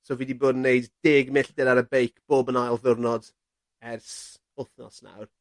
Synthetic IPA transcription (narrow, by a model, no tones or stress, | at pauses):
soːviːdiboːdn̩ːejdd̥eːɡmɪɬdɛɾaɾəbejkʰb̥oːbənajlˠðʊrnɔd | ɛrs | ʊθnɔ̰sna̰wr